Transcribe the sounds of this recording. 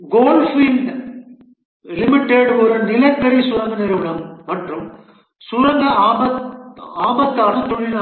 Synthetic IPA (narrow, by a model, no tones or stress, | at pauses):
ɡoːlfɪn | lɪmɪʈːeɽɔɾɯnɪlɐkːɐɾisʊɻɐŋɡɐnɪɾɐʋɪɽɐmːɐʈrɯm | sʊɻɐŋɡɐːbɐtaːbɐt̪ːaːnɐt̪ɔɻɪnaː